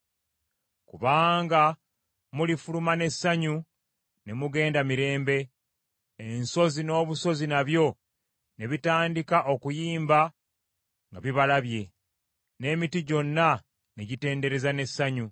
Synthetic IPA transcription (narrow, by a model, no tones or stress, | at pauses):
kuβaːŋɡa | mulifulumane̞sːaɲu | ne̞muɡe̞ːndamiɾe̞ːmbe̞ː | nso̞zino̞ːβuso̞zinaβjo̞ | ne̞βitaːndikaʔo̞kujiːmba | ŋɡaβiβalaβje̞ | ne̞ːmitiɟo̞nːa | neɟite̞ːnde̞ɾe̞zane̞saɲu